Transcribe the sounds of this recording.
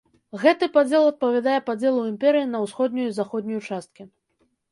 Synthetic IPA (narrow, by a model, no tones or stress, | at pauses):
ɣɛt̪ɨpad͡zʲɛlˠɐt̪̚pɐvʲad̪ajɛpad͡zʲɛlˠuimpʲɛɾɨjinɐwsxɔd̪nʲujuzaxɔd̪ʲnʲujut͡ʂast̪̚kʲi